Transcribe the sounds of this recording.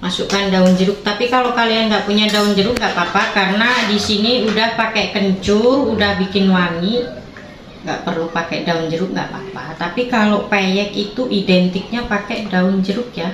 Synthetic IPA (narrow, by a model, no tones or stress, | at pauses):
masukandaʊnd͡ʒəɾʊk̚t̪apikalokalianɡaʔpuɲadaund͡ʒəɾʊk̚ŋɡaʔpapakaɾənadisiniudahpakɛkəɲt͡ʃʊrudahbikɪnwaŋi | ŋɡa̰ʔpərlupakɛdaund͡ʒəɾʊk̚ŋɡa̰ʔpapat̪apikalopejɛkit̪uʔidɛnt̪ɪk̚ɲapakɛdaʊnd͡ʒəɾʊkja